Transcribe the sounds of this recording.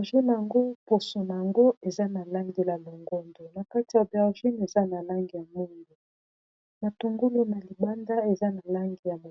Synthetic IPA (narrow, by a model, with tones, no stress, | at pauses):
ʒi˦na˨ja˨ŋɡo˦po˨so˨na˨ja˨ŋɡo˦e˨za˦na˨la˦ŋɡe˨la˨lo˨ŋɡo˦ndo˨na˨ka˦ti˨ja˨bɛ˨ʁʒi˦ne˨za˦na˨la˦ŋɡi˨ja˨mu˦ŋɡu˨ | na˨to˨ŋɡo˦lu˦na˨li˨ba˦nda˦e˨za˦na˨la˦ŋɡi˨ja˨mo˨